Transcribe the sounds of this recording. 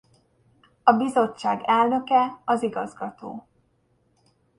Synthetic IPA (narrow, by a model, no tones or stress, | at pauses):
ɒbizo̞t͡ʃːaːɡɛlnø̞kɛɒziɡɒzɡɒt̪o̰ː